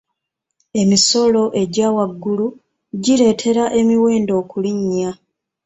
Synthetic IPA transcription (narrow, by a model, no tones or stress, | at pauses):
e̞miso̞lo̞ʔe̞ɟaːwaɡːulu | ɟile̞tʰe̞ɾaʔe̞miwe̞ːndo̞ːkuliɲːa